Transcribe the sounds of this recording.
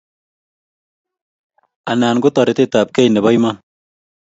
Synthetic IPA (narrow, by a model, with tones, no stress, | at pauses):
a˨naː˨nɡʊ˦tɔ˨ɾɪ˨t̪e˦ta˨p̚ke˦jnɛ˨βɔ˦jma˦n